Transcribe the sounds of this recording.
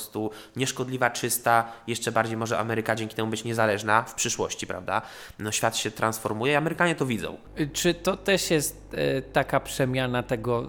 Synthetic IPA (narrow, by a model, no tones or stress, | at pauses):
st̪u | ɲɛʂkɔd̪lʲivat͡ʂɘst̪ajɛʂt͡ʂɛbaɾd͡ʑejmɔʐɛʔa̰mɛɾɘkad͡ʑɛŋkʲit̪ɛmubɘt͡ɕɲɛzalɛʐnafpʂɘʂwɔ̰ɕt͡ɕipɾa̰vd̪a | nɔɕfʲjat̪ɕɛt̪ɾansfɔɾmujɛiamɛɾɘkaɲɛt̪ɔvʲid̪zɔ̰̃w̃ | t͡ʂɘt̪ɔt̪ɛʂjɛst̪ːakapʂɛmʲjanat̪ɛɡɔ